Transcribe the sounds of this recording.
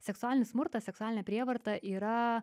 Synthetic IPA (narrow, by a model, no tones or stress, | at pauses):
sʲɛksʊæːlʲɪnʲɪsmʊɾt̪ɐsʲɛksʊæːlʲɪnʲɛpʲɾʲiɛʋɐɾt̪ɐʔiːɾɐ